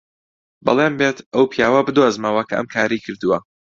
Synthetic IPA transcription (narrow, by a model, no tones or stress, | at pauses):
bɐ̰lˠeːmbeːt̪ɐwpʰijaːwɐbɨd̪ozmɐwɐkʰɐʔɨ̰mkʰaːɾijkʰɨɾd̪ɨwɐ